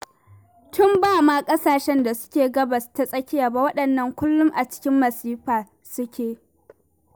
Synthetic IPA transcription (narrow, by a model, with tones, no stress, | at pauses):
tʊ˦mbaː˦˨maː˦kʼɐ˦saː˨ʃɛ˦nda˨sʊ̥˦kʲeː˨ɡɐ˦bɐ˨sta˦sʼɐ˦kʲɪ˦jaː˨ba˨wɐ˦ɗɐ˨nːɐ˨ŋkʷʊ˦lːʊ˦mʔa˨t͡ʃɪ̥˦kʲɪ˦mːɐ˨siː˦ɸaː˨ | sʊ˦kʲʰeː˨